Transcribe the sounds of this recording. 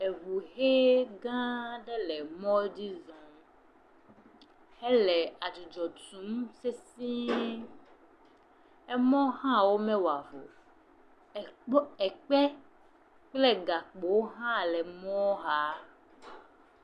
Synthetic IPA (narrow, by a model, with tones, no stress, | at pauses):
e˨vu˨ɦe˦ɡã˦ɖɛ˦lɛ˨mɔ̃˦di˦zɔ̃˨m | ɛ˦lɛ˨a˨d͡ʒi˨d͡ʒɔ˨tũ˨˦mse˦sĩ˦ | ɛ˦mɔ̃˦hã˦wo˦mɛ̃˦wa˨vo̰˨˦ | ɛ˨k͡pɛ˦ | k͡plɛ˦ɡa˨k͡po˨wo˦ɦã˦lɛ˨mɔ̃˦ɦa˦